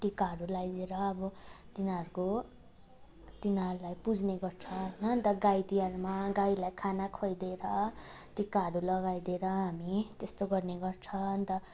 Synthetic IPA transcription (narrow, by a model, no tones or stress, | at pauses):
ʈikːaɽulajd̪eɾʌːbʌt̪inaʌɾuko | t̪inʌɾulajpud͡zneɡʌrt͡sʰʌnʌnt̪ʌɡajd̪ijaɾmaɡailajkʰanakʰʌjd̪eɾʌʈikːaɾulʌɡajd̪eɾʌɦamit̪est̪oɡʌrneɡʌrt͡sʰʌnt̪ʌ